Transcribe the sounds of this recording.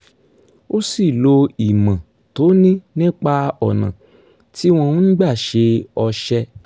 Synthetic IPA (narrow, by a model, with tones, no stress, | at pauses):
o˦si˦˨lo˧i˨mã˨ | to˨˦nĩ˦nĩ˦k͡pa˧ɔ˨nã̰˨ | ti˦w̃ɔ̃˧ũ˦n̩˦ɡ͡ba˦˨ʃe˧ɔ˧ʃɛ˧